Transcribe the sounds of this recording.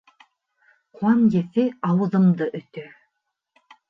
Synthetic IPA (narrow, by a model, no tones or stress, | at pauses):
quɑnjeθeɑwɤ̆ðɤ̆md̪ɤʔɵ̆t̪ø